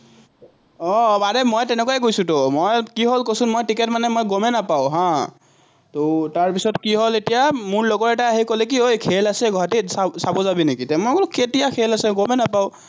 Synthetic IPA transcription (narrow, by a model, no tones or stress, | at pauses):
ɔbadɛmojtɛnɛk̬wajɛkojsʊ̃tomojkiɦolkosʊnmojtiketmanɛmojɡomɛnapaʊ̃ɦã | totaɹpisɔtkiɦoletijamʊɹlɔɡɔɹɛtaaɦikolɛk̬iojkʰelasɛɡɔɦatisasabɔzabinekitɛmɔɡolketijakʰelasɛɡomɛnapaʊ̃